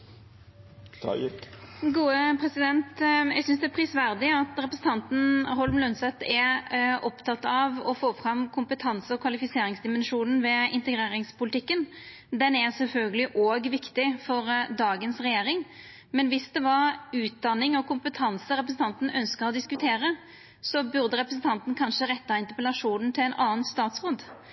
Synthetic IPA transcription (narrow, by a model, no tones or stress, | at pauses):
ɡuːəpʰɾɛsɪd̪ɛnt̪jɛ̰sʏnsd̪ɛæpʰɾɪsʋæɾd̪ɪɑt̪ɾɛpɾəsn̩t̪ʰɑnt̪n̩hɔlmlœnsɛt̪ːɛʔɔpt̪ʰɑt̪ːɑʋɔfoːfɾɑmkʰʊmpət̪ʰɑnsəɔkʰʋɑlɪfɪseːɾɪŋsd̪ɪmɛnʂuːnn̩ʋɛɪnt̪əɡɾeːɾɪŋspʊlɪt̪ʰɪkːən | d̪ɛnɛʁsɛlfœlɡəlɪʔoːɡʋɪkt̪ɪfɔɾd̪ɑːɡənsʁɛjeːɾɪŋ | mɛnʋɪsd̪ɛʋɑɾʉːt̪̚d̪ɑnːɪŋɔkʊmpət̪ʰɑnsəɾɛp̬ɾəsn̩t̪ʰɑnt̪n̩œnskəɾɔd̪ɪskʉt̪ʰeːɾə | sɔbʉʁd̪əɾɛpɾəsn̩t̪ʰɑnt̪n̩kʰɑnʂəɾɛt̪ːɑɪnt̪əʁpəlɑʂuːnn̩t̪ʰɪlɛnɑːnst̪ɑːt̪sʁoːd̪